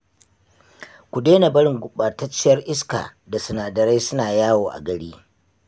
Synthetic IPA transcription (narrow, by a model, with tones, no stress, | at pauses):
kʷu˨deː˦na˨bɐ˦ɽɪ˨ŋɡʷʊ˨ɓaː˨tɐ˦t͡ʃːɪ˦jɐ˦rʔɪ˦ska̰ː˨ | da˨sʊ˨naː˨dɐ˨ɾe˦sʊ˦naː˨jaː˦woː˨ʔa̰˨ɡɐ˨ɽiː˦